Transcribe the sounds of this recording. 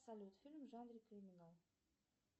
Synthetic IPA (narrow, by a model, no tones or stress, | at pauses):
salyt̪filmʒɑ̃ːd̪ɾikɾiminal